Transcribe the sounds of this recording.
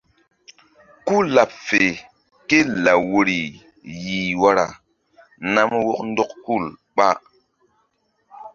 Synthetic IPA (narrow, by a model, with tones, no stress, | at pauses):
ku˦la˨p̚fe˨ | ke˦la˨wo˨ɾi˨ | ji˨wa˦ɾa˨ | na˦mwo˦kn˦dɔ˦kku˦˨lɓa˦